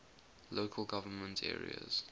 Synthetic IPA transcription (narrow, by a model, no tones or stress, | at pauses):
loːkʰəlˠɡavənmə̃ntʰɛ̰ːɹḭə̰z̥